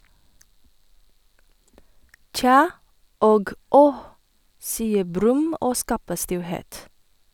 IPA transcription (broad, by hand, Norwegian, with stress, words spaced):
ˈc͡çɑː ˈoːɡ ˈɔh ˈsiːə ˈbɾʉm ˈoː ˈskɑːpə ˈstɪlˌheːt